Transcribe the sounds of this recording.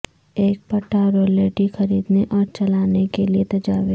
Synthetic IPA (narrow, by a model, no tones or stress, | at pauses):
eːk̚pɐʈaːɾoːleːʈixɐɾiːd̪neʔɔːɾt͡ʃɐlaːnekeliet̪ɐd͡ʒaːʋɪ